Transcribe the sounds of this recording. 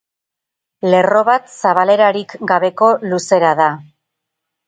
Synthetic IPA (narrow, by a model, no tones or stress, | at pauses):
le̞ro̞βat̪saβ̞ale̞ɾaɾikɡaβe̞ko̞luse̞ɾaða